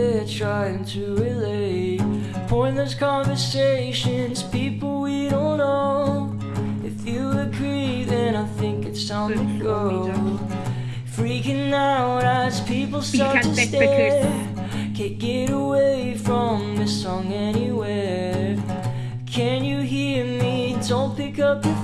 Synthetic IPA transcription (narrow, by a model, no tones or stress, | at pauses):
tʰɹ̥aɪɪ̃ŋtʰɨɹɪle | pʰɔ̃ɪ̃nðə˞z̥kʰɑ̃ɱvə˞seɪʃɨ̃nz̥pipl̩ˠwiɾõʊ̃nnːoʊ | ɨfjɨɨɡʰɹiðɨ̃ñaɪθɪ̃ŋkɨtsãʊ̃nɨɡo | fɹikɨ̃naʊɾæzpʰipl̩ˠstɑɹttʰɨste | kʰɨ̃ɡ̥ɛɾəweɪfɹʌ̃mðɪsɔ̃ŋɛniwe | kʰɨ̃njɨɦiɹmid̥õʊ̃npɪkʌpjɨ